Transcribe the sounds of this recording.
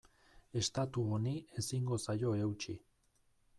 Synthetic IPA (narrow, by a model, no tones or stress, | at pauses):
e̞st̪at̪uonie̞siŋɡo̞sajo̞e̞wt͡ʃi